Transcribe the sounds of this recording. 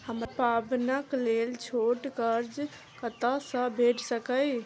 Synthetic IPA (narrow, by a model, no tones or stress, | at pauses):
həmpabnəklelt͡ʃʰoʈkəɾd͡ʒ | kət̪asə̃bʱeʈsəkəj